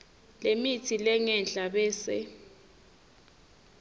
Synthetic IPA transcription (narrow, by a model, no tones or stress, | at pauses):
lemitʰilɛŋɛnt͡ɬʼaɓɛːsɛ̰